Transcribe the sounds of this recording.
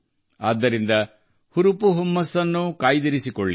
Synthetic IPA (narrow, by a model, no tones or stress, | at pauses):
a̰ːd̪ːɐɾind̪ɐ | huɾupuɦumːɐsːɐnːukaːjd̪iɾisikɔɭːi